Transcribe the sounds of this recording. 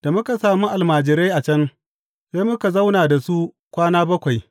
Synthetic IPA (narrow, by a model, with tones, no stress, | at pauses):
d̥a˨mʊ˦ka˨saː˨mu˦ʔa˨lmaː˨d͡ʒɪ˨ɾa˦jʔa˨t͡ʃɐ˦n | ba˦mʊ˦ka˨za˦wnaː˨da˨su˦ | kʷaː˦naː˦bɐ˦kʷa˨j